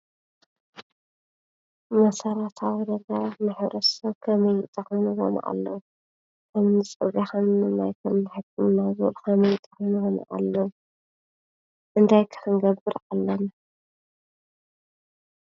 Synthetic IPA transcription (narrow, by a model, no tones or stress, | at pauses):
mɐsɐɾat̪ʰawid̪ɐɡɐɾanaħβɾʔɐsɐwkʰɐmɐjɪt̪ʼːɨxɨmɨɣo̰n̰ʔa̰lːɐwu | kʰɐmnɨt͡sʼɨβaxɐmnɨnajkʰɐmnɨħɨkʰːɨmɨnajzulkʰɐmɐjt̪ʼɨ̥xmɨɣonɐ̰ʔa̰lːɐwu | ʔɨnt̪ʰajkʰɨ̥ħɨŋɡɐbːɨɾalːɐna